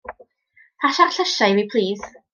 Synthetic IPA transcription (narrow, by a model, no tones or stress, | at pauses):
pʰaʃarɬəʃajwipʰl̥iːð̥